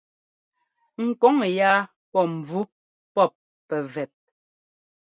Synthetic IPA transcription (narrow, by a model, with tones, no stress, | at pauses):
ŋ̩˨kɔ˨˦ŋ˨jaː˦ | pɔ˦˨m̩˨b͡vu˦ | pɔ˦˨p̚ | pɛ˨vɛ˨t̚